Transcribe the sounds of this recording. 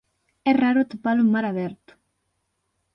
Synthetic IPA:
ɛraɾot̪upalumaɾaβɛɾt̪

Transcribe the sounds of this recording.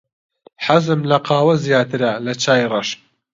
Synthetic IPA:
ħazɨmlɐqʰɑːwɐzijaːt̪ʰɨɾɐlɐt͡ʃaːjrɐʃ

